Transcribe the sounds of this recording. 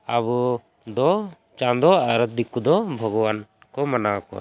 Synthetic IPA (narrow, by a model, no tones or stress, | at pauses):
abu | d̪ɔ | t͡ʃãnd̪ɔaɾət̪̚d̪ikud̪ɔbʱɔɡɔwan | kɔmanakɔ̰a̰